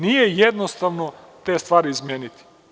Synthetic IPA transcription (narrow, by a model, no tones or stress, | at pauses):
nijɛjɛd̪nost̪aʋno | t̪eːst̪vaːɾiːzmenit̪i̥